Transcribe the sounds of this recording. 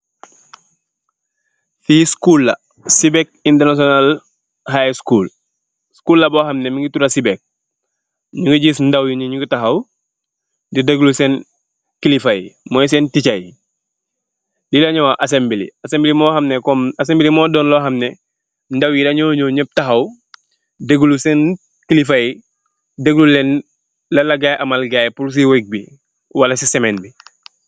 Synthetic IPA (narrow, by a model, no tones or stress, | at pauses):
fiskulːa | sibɛk̚intɛɾnasɔnal | hajskuːl | skuːlːabɔːɦɐmnɛmiŋɡituɾasibɛk̚ | ɲuŋɡiɟisn̩dawjiɲɲuŋɡitaɦaw | didɐɡluseːn | kilifajimɔjs̬ɛːnticaj | dilɐɲowaʔasembilḭɐsembilimɔːhɐmnɛkɔmɐsembilimɔːdɔːnlɔɦɐmnɛ | ndɐwjidɐɲuɲɔːɲəp̚tɐxɐw | deɡulusɛːn | kilifaji | dəɡlulɛn | lɐlɐɡajʔɐmɐlɡaːjpuls̬iwek̚bi | wɐlɐsisɛmɛnbi